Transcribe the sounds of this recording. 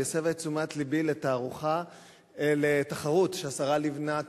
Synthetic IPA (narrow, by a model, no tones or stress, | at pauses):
esevet͡sumat̪libilet̪aːʁuχa | elet̪aχaʁutʃeasaʁalivna